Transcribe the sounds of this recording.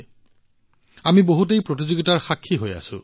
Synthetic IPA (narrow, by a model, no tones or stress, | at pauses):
amiboɦut̬ejpɹot̬izoɡitaɹxakʰːiɦoja̰sʊ̰̃